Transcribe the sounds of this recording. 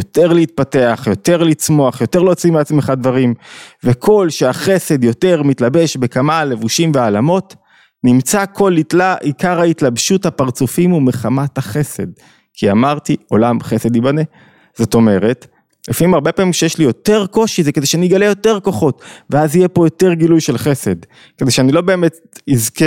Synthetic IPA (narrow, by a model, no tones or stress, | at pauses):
jot̪e̞ʁleit̪̚pate̞aχjo̞t̪e̞ʁlit͡smo̞aχjo̞t̪e̞ʁlot͡simeat͡smeχadvaʁimvekʰo̞lʃeaχe̞se̞d̪jo̞te̞ʁmitlabe̞ʃbe̞kamale̞vuʃimveaːlamo̞t | nimt͡sakʰo̞liaikaʁhaitlabʃuthapaʁt͡sufimumeχamathaχe̞se̞d̪̚ | kʰiamaʁtio̞lamχese̞d̪ibane | z̥o̞to̞me̞ʁe̞t | lefiimaʁbepaːmimʃejeʃlijo̞te̞ʁko̞ʃizeked̪eʃeaniɡalejo̞teʁko̞χo̞tveazije̞po̞jo̞te̞ʁɡilujʃelχe̞se̞d̪ | ked̪e̞jʃeanilo̞be̞ːmet | izke